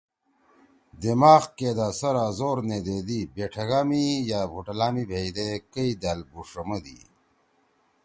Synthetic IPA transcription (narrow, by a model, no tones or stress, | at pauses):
d̪imaːxkeːd̪asɐɾazoːɾneːd̪eːd̪ibeʈʰɐɡaːmijaːbʱuʈɐlaːmibʱeid̪ekəid̪aːlbuʂɐmɐd̪ḭ